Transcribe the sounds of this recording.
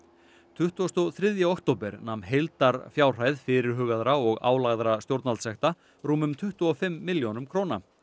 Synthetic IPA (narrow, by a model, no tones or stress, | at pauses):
t̪ʰʏht̪uast̪ɔθɾɪðjaɔkt̪owpɛɾnamnɦejlt̪aɾfjaːwr̥aːjðfɪɾɪɾ̥ɦʏːɣaðɾaɔɣa̰ːwlaɣðɾast̪jowɾt̪nalt̪sɛht̪a | ɾuːmʏmt̪ʰʏht̪uɔfɪmːɪljonʏmkʰɾowna̰